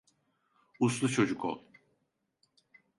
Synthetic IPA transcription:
uslˠut͡ʃʰo̞d͡ʒukʰo̰lˠ

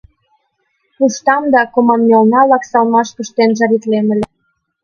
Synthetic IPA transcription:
puʃt̪ɑmd̪ɑkomɑmːɑlnɑlɑksɑlmɑʃkuʃt̪enʒɑɾit̪lemə̆lʲĕ

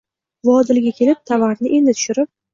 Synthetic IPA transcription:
vɒd̪ɪlɡʲakʲe̞lɪp̚t̪ʰavaɾnɪʔe̞nd̪ɪt̪ʰʊ̥ʃɪɾɪp̚

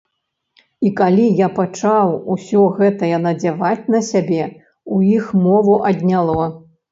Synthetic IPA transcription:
ikalʲijapat͡ʂawusʲɔɣɛt̪ɐjɐnɐd͡zʲavat͡sʲnɐsʲabʲɛ | uixmɔvuʔɐd̪ʲnʲalˠɔ

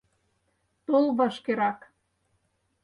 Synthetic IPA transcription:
t̪ulβɤ̆ʃkeɾɑk

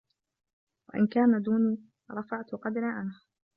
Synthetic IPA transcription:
wa̰ʔɪ̰nkaːnad̪uːniː | ɾˤɑfaʕt̪ʊqɑd̪ɾaʕanh

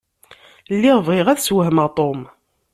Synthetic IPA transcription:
lːiʁvʁɪʁæðswəhməʁt̪ˤom

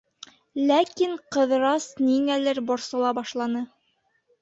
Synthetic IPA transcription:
lækiɴqɤ̆ðɾɑsniŋælɘɾbŏɾsɤ̆lˠɑbɑʃlˠɑnɤ

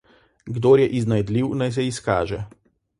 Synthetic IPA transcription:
ɡd̪oːɾjɛʔiznajd̪liwnajs̬ɛiska̰ːʒɛ

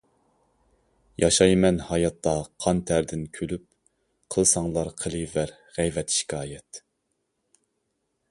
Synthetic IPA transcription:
jʔɑʃɑjmɛnhɑjɑt̪ːɑqʰɑnt̪ʰæɾd̪ɪnkʲʰølyp̚ | qʰəlˠsɑŋlˠɑɾqʰəlˠɨvæɾ | ʁɛjvɛt̪ʃi̥kʲʰɑːjɛt̪

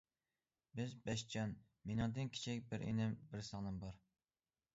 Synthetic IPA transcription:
bɪzbɛʃt͡ʃʰɑn | menɨŋd̪ɨnkʲʰi̥t͡ʃʰikʲbɪɾʔḛnɪmbɪɾsɑnɨmbɑɾ

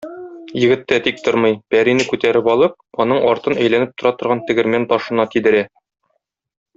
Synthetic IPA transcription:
jɘ̆ɡɘ̆t̪ːæt̪ik̚t̪oɾmɤjbæɾinɘkʉt̪æɾɘpɒlˠɤp̚ɒnɤɴɒɾt̪ɤnæjlænɘp̚t̪ŏɾɑt̪ŏɾʁɑnt̪ɘ̆ɡɘ̆ɾmænt̪ɒʃɤ̆nɑt̪id̪ɘ̆ɾæ

